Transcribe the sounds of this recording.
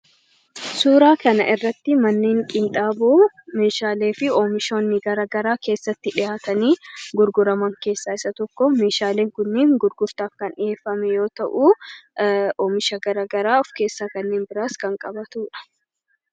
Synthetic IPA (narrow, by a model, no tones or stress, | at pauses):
suːɾaːkɐnɐ̰ʔɪrːɐt̪ːɪmɐnːeːŋkʼɪnt̪ʼaːboː | me̞ːʃaːle̞ːfɪoːmɪʃo̞ːnːɪɡɐɾɐɡɐɾaːke̞ːsːɐt̪ːɪᶑɪjaːt̪ɐniːɡʊɾɡʊɾɐmɐŋke̞ːsːaːɪsɐt̪ɔkːɔme̞ːʃaːleːŋkʊnːeːŋɡʊɾɡʊɾt̪aːfkɐnɪje̞ːfːɐmɛjo̞ːt̪ɐʔu | oːmɪʃɐɡɐɾɐɡɐɾaːɔfke̞ːsːaːkɐnːeːnbɪɾaːskɐŋkʼɐbɐt̪uːᶑɐ̥